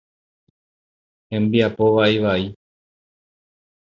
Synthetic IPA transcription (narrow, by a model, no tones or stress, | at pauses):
hẽ̞mbiapo̞ʋaiʋai